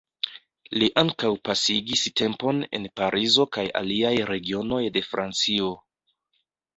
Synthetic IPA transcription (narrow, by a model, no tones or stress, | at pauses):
liʔaŋkawpasiɡiste̞mpo̞ne̞̰npaɾʔizo̞kaja̰liajɾe̞ɡio̞no̞jde̞fɾʔa̰nt͡sio̞